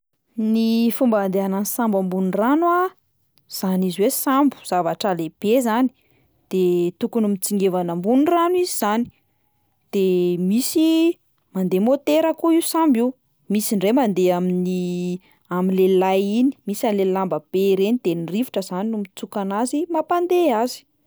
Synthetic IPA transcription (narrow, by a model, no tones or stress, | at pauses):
nifumband̪eanansambambunranua | z̥aniziwesambu̥z̥avaʈ͡ʂəleb̥ezani̥ | d̪̥et̪ukunumit͡siŋɡevanəmbunranuiziz̥ani̥ | d̪̥emisi | mand̪emot̪eɾəkuiusambi | misinremand̪eamini | aminlelajini̥misanlelambəb̥eɾenid̪̥enirivuʈ͡ʂəzaninumit͡sukanazimapand̪eazi̥